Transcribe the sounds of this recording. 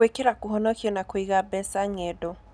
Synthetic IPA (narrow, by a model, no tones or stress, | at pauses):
ekeɾakoɦɔnɔkiɔnakoiɣabɛsaŋedo